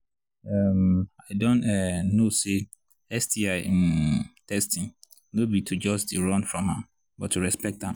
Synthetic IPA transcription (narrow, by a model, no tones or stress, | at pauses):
ɛmaɪdɔ̃ntɛnose | ɛstiaɪmtʰɛstʰĩŋ | nobitʰud͡ʒɔsdɨɹɔ̃nfɹɔ̃mhãm | bɔtʰːuɹɛspɛk̚tãm